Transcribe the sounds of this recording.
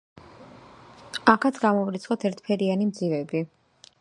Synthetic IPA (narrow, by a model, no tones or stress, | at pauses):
akʰat̪sʰɡamɔvɾit̪sʰχɔt̪ʰɛɾt̪ʰpʰɛɾianimd̪zivɛbi